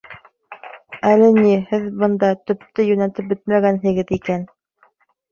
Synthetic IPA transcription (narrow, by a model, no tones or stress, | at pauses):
ælɘ̆nihɘðbɤ̆nd̪ɑt̪ɵ̆p̚t̪ɘjʉnæt̪ɘp̚bɘt̪mæɡænɦɘ̆ɡɘðikæn